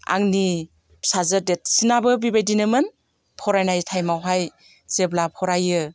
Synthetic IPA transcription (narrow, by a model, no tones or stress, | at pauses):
a̰ŋni | sazədet̚sinabɯbibajdinɯmɯn | pʰɔɾajnajtʰajmawɦaj | seblapʰɔɾajɯ